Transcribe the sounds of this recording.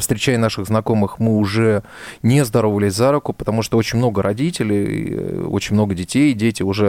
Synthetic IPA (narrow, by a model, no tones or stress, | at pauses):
fst̪ɾʲɪt͡ɕæjɪnaʂɨɣznɐko̞mɨxmɨʊʐɛnʲezd̪ɐɾo̞vəlʲɪzʲzaɾʊkʊpə̥t̪ɐmuʂt̪oot͡ɕɪnʲmno̞ɡəɾʔɐdʲitʲɪlʲɪjḭo̰t͡ɕɪnʲmno̞ɡədʲɪtʲejdʲetʲɪʊʐɛ